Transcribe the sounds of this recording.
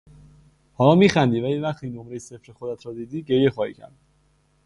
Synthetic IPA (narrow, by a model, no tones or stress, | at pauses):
hɒːlɒːmiːxænd̪iːvælivæχt̪ʰiːnomɾe̞jese̞fɾexod̪æt̪ʰɾɒːd̪iːd̪iːɟe̞ɾjexɒːhḭːcʰæ̰ɾd̪̚